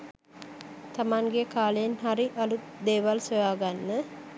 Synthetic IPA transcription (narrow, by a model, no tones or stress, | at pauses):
t̪amaŋɡekaːləjenɦaɾiʔalut̪d̪eːʋalseʋaːɡanːə